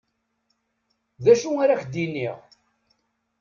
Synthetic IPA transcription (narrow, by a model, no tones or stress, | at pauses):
ðæʃuaɾaχd̪inːḭʁ